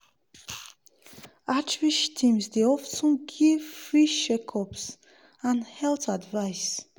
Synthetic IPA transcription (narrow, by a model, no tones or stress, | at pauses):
ʔat͡ʃviʃtʰimsdiɔfsuɡifɹiʃɛkʰɔps | anhɛltadvaɪs